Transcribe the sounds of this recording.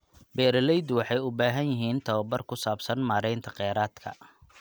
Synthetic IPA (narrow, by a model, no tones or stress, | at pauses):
bɛːɾɐlɛjd̪wɑħɑjʊbaːɦɐnjɪɦiːnt̪ʰɐwɐbɐrkʰʊsaːbsɐnmaːɾɛjnt̪ʰɐqɛːɾaːd̪kʰɐ̰